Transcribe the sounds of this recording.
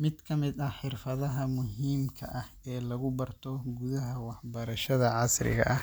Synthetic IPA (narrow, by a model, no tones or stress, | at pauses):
mɪd̪kʰɐmɪd̪ɐħɪrfɐðɐɦɐmʊɦiːmkʰɐʔɐh | ɛːlɐɣʊbɐrt̪ʰɔɡuðɐɦɐwɑħbɐɾɐʃɐðɐʕɑsrɪ̰ɣɐ̰ʔɐh